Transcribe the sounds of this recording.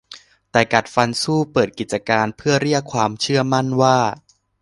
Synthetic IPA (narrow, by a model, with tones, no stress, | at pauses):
t̪ɛː˨˩ka˨˩t̪̚fa˧nsuː˥˩pɤː˨˩t̪̚ki˨˩t͡ɕa˧kaː˧npʰɯ˥˩ɐɾi˥˩əkʰːwaː˧mt͡ɕʰɯ˥˩ɐma˥˩nwaː˥˩